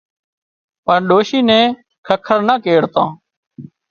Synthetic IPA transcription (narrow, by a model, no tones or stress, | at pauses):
pəɳɗoːʃiːnɛ̃ː | kʰəkʰəɾnaːkeːɽt̪ãː